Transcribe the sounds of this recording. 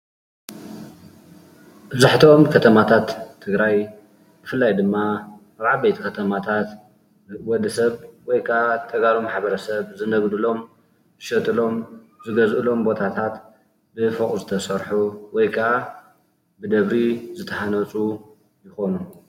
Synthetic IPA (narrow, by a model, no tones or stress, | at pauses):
bɨzaħt̪ʰomkʰɐt̪ʰɐmat̪ʰat̪ʰːɨɡɾaj | b̥ɨfɨlːajd̪ɨmːaʔaβʕalbejt̪ʰi̥kʰɐt̪ʰɐmat̪ʰat̪ | wɔd̪ːɐsɐβwɔjkʰaʔat̪ʰɐɡalomħaβɐɾɐsɐβzɨnɐɡd̪ulo̞m | zɨʃɐt̪ʼɨlo̞m | zɨɡɐzʔɨlo̞mbo̞t̪ʰat̪ʰat̪ | bɨfokʼuzɨt̪ʰɐsɐɾħuwɔjkʰaʔa | bɨd̪ɐβɾizɨt̪ʰɐħanɐt͡sʼu | jɪxo̞nu